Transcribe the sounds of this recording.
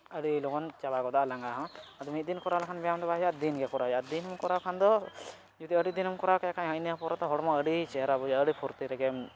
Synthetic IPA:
əɽilɔɡɔnt͡ʃabaɡɔd̪aʔlaŋɡaɦɔ̃ad̪umit̪̚d̪inkɔɾalakʰanbɛjamd̪ɔbaɦjad̪inɡɛkɔɾad͡ʒad̪inɦumkɔɾawkʰand̪ɔ | d͡ʒud̪iəɽid̪inɦumkɔɾawkɛkʰaɦəʔniapɔɾat̪ɔɦɔɽmɔ̃əɖit͡ʃɛɦɾabud͡ʒaəɽipʰɔɾt̪iɾɛɡɛm

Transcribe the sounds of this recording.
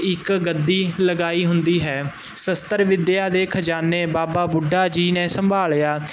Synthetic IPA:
ɪkɡəd̪iːləɡaːiːɦʊnd̪iːɦɛːsəst̪əɾʋɪd̪jaːd̪eːkʰəd͡ʒaːnːeːbaːbaːbʊɖaːd͡ʒiːnẽːsəmbʱaːljaː

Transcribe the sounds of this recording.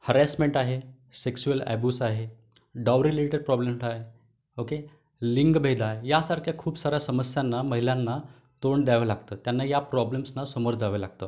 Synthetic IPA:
həɾæsmeɳʈaɦe | seksuəlɛ̰bjuːsaɦe | ɖawɾileʈeɖpɾɔblemsaɦe | oke | liŋɡbʱed̪aɦejasaɾkʰjakʰuːbsaɾjasəməsjanːaməɦilanːa | t̪oɳd̪jaʋəlaɡt̪əːt̪janːajapɾɔblemsnasəmoɾd͡zaʋəlaɡ̚t̪ə̰ː

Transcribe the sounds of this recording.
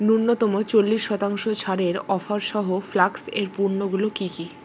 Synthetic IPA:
nuɾnot̪ɔmot͡ɕolːiʃːɔt̪aŋʃot͡ɕʰaɾeɾɔfaɾʃɔɦoflakseɾpuɾnoɡulokiki

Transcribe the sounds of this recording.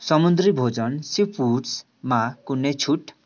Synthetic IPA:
sʌmund̪ribʱod͡zʌnsipʰus | makunːet͡sʰuʈ

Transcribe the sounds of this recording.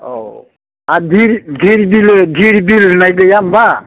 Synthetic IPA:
o̰ | adʱiɾd̪ʱiɾibild̪ʱiɾibilnajɡəjamba

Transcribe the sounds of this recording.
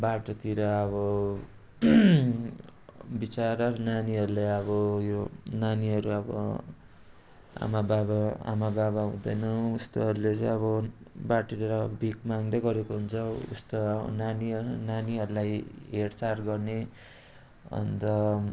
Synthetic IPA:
baʈot̪iɾʌʌβʌ | bit͡saɾʌɾʌnaniɦʌɾulejʌβʌjonaniɦʌɾuʌbʌ̰ | a̰mababaa̰mababaɦũd̪ʌjnʌust̪oɦʌɾulet͡sʌjʌβʌbaʈit̪iɾʌbʱikmaŋd̪ʌɡʌɾekoɦunt͡sʰʌṵst̪oʌʌ̰naniʌnaniɦʌɾulajɦeɽt͡sarɡʌrne | ʌ̰nd̪ʌ

